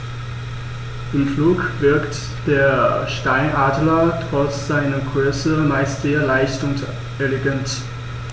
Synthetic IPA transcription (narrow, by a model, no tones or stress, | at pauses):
ʔɪmfluːkv̥ɪɐkt | d̥eːɐʃtaɪnʔaːdlɐtʁ̥ɔt͡sz̥aɪnɐɡʁøːsəmaɪstz̥eːɐlaɪçtʊnt | ʔɛleɡant